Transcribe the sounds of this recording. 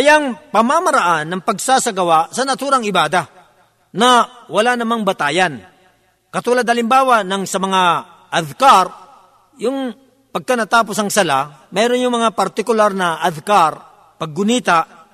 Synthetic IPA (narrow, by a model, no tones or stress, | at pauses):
kɐjaŋpɐmamɐɾaʔanːɐŋpɐɡsaːsɐɡɐwaʔsɐnɐt̪uːɾaŋɪbaːd̪a | nɐwɐlanɐmaŋbɐt̪aːjan | kɐt̪uːlad̪hɐlɪmbaːwanɐŋsɐmɐŋa | ʔɐðkaɾ | jʊŋ | pɐɡ̚kanɐt̪aːp̬osɐŋsɐlamɛːɾonjʊŋmɐŋapɐɾt̪ɪkʊlaɾnɐʔɐðkaɾ | pɐɡ̚ːʊniːt̪aʔ